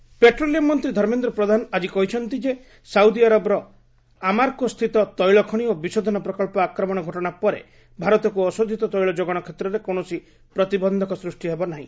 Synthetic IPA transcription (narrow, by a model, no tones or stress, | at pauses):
peʈɾoliɔmːɔnt̪ɾid̪ʱɔɾmend̪ɾɔpɾɔd̪ʱanɔad͡ʒikɔɦit͡ʃʰɔnt̪id͡ʒe | sawd̪iaɾɔbɔɾɔ | amaɾkɔst̪ʰit̪ɔt̪ɔjɭɔkʰɔɽ̃iobisɔd̪ʱɔnɔpɾɔkɔɭpɔakɾɔmɔɽ̃ɔɡʱɔʈɔɽ̃apɔɾḛ | bʱaɾɔt̪ɔkuɔsod̪ʱit̪ɔt̪ɔjɭɔd͡ʒoɡɔɽ̃ɔkʰet̪ɾɔɾekonɔsi | pɾɔt̪ibɔnd̪ʱɔkɔsɾusʈiɦebɔnaɦḭ̃